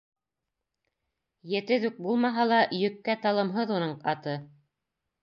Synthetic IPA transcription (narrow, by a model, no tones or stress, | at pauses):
jɘ̆t̪ɘðʉk̚bulˠmɑɦɑlˠɑjɵ̆kːæt̪ɑlˠɤ̆mɦɤðunɤɴɑt̪ɤ